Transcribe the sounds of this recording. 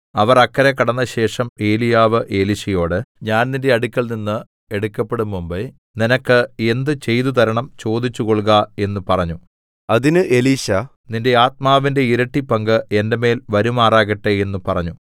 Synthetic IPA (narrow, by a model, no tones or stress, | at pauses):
ɐʋɐrɐkːɐɾekːɐɽɐnːɐɕe̞ːʂɐme̞ːlijaːʋɨʔe̞ːliɕɐjo̞ːɽɨɲaːnninde̞ɐɽukʲːɐɭninːɨ | e̞ɽukːɐpːe̞ɽumːumbe | ninɐkːɨe̞nd̪ɨt͡ɕe̞jt̪ut̪ɐɾɐɳɐmt͡ɕo̞ːd̪it͡ɕːuɣo̞ɭɣɐe̞nːupɐrɐɲːu | ɐðinɨʔe̞liːɕɐ | ninde̞aːt̪̚maːʋinde̞iɾɐʈːipːɐŋɡɨe̞ndeme̞ːlʋɐɾumaːraːɣɐʈːee̞nːupɐrɐɲːu